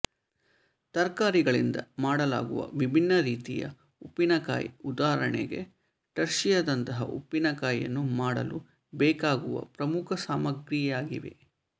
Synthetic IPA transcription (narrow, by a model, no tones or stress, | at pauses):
t̪ɐɾkaːɾiɡɐɭind̪ɐmaːɽɐla̰ːɡuʋɐ̰ʋibʱinːɐɾiːt̪ijɐ̰ | upːinɐka̰ːjud̪aːɦɐɾɐɳɛ̰ɡe̞̰ | ʈɐɾʃijɐd̪ɐnt̪ɐɦɐ̰ʔupːinɐkaːjɐ̰nːumaːɽɐ̰lu | bɛːkaːɡuʋɐ̰pɾɐmukʰɐsaːmɐɡɾiaːɡiʋe̞̰